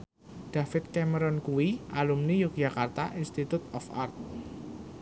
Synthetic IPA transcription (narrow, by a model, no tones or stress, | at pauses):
ɖ̥a̤fɪt̪̚kɛməɾɔnkuwiʔalumnijuk̚d͡ʒ̥a̤kart̪a̰ʔinst̪it̪ut̪ɔfa̰rt̪̚